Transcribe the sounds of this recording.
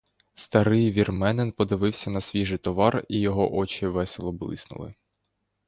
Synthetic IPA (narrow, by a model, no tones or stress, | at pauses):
st̪ɐɾɪjʋʲirmɛnenpɔd̪ɪʋɪwsʲɐnɐsʲʋʲiʒɪjt̪ɔʋɑrijɔɦɔʔɔt͡ʃɪʋɛselˠɔblˠɪ̰snʊ̰lˠɪ̰